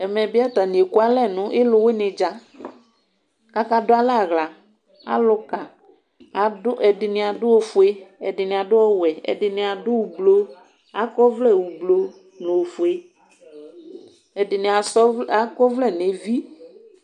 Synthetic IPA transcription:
ɛ˨mɛ˨bɪ˦a˦t̪a˨nĩ˨e˨ku˦a˦lɛ˦˨nʊ̃˨ʔɪ˦lʊ˦wɪ˦nɪ̃˨d͡ʒa˦ | ka˦ka˦dʊ˦a˦la˦˨ɣla˨ | a̰˦lʊ˦ka˨ | dʊ˦ʔɛ˨dɪ˨nɪ̃˨a˨dʊ˦o˨fʊ˨˦e˦ɛ̰˨dɪ˨nɪ̃˨a˨dʊ˦ɔ˦wɛ˨ɛ̰˨dɪ˨nɪ̃˨a˨dʊ˦wu˨blo˦ | a˨˦kɔ˦vlɛ˦˨wu˨blo˨ | nʊ̃˨o˨fu˨e˦ | ɛ˨dɪ˨nɪ̃˨a˨sɔ˦a˦kɔ˦vlɛ˦˨ne˨vi˦

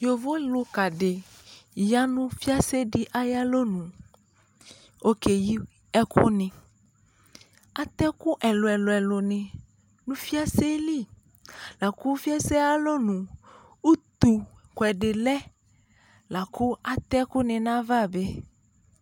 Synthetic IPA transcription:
jo˨vo˦lo˨ka˨ɖe˨ | ja˦nũ˦fi˦a˦se˦ɖi˦ʔa˦ja˦lo˦nũ˨ | o˦ke˨ji˦ | ɛ˦kʰo˦nẽ˨ | a˦t̪ɛ˦ku˦ʔɛ˨lo˨ɛ˨lo˨ɛ˨lo˨nẽ˨ | nũ˦fi˦a˦se˦li˦˨ | la˨ku˦fi˦a˦se˦a˦lo˦nũ˨ | u˦t̪u˨kʷɛ˨ɖe˨lɛ˦ | la˨ku˦a˨t̪ɛ˦ku˦nẽ˨nã˦va˦˨be˦

